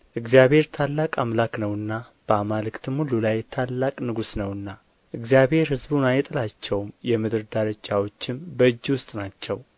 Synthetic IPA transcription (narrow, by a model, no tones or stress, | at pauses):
ʔɨɡzijaβhe̞ɾt̪ʰalːakʼamlaknəwɨnːa | b̥əamalɨkʼt̪ʰɨmhululajt̪ʰalːakʼnɨɡusnəwɨnːa | ʔɨɡzijaβhe̞ɾhɨzbunajt̪ʼɨlat͡ʃːɛwmjɛmɨd̪ɨɾd̪aɾəd͡ʒawo̞t͡ʃːɪmbəɨd͡ʒːwʊst̪ʼnat͡ʃːɛw